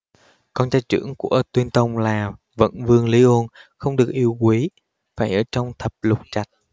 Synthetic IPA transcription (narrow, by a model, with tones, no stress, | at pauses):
kɔ˧nt͡ɕaː˨˦jt͡ɕɨ̰˧˩əŋkṵ˧˩ət̪wi˧ənt̪ə˧wŋ͡mlaː˨˩ | və̰˧˥nvɨ˧əŋli˨˦ʔo˧nxə˧wŋ͡mɗɨ˨˩ək̚ʔi˧əwkwi˨˦ | faː˧˩jʔəː˧˩t͡ɕɔ˧wŋ͡mt̪ʰə˨˩p̚lʊ˨˩k͡p̚t͡ɕa˨˩jk̚